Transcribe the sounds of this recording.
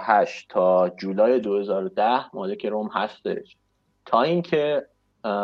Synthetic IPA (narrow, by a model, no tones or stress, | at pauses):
hæʃt̪ʰɒːd͡ʒuːlɒːje̞d̪ohe̞zɒːɾod̪æhmɒːle̞kcʰe̞ɾomhæst̪e̞̰ʃ | t̪ʰɒːiːŋcʰe